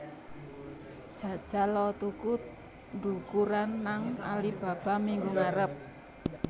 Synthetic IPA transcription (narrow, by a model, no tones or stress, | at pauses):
d̥ʒ̥ä̤d̥ʒ̥a̤lɔt̪ukut̪̚ | ɳɖukuɾanːaŋalib̥a̤b̥a̤miŋɡuŋaɾəp̚